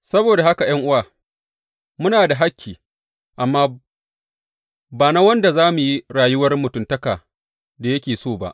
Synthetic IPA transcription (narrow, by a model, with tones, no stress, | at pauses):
sɐ˦boː˨da˨ɦa˦ka˨j̰ɐ˦ŋʔʊ˦waː˨ | mʊ˦naː˨da˨ɦa˦kʲːiː˨ | ʔa˨mːaː˦ | baː˨na˦wɐ˦nda˨zaː˦mu˨ji˦ɽaː˨jʊ˦wɐ˦rmʊ˨tʊ˦ntɐ˦kaː˨ | da˨jɐ˦kʲeː˨soː˦˨ba̰˦ʔ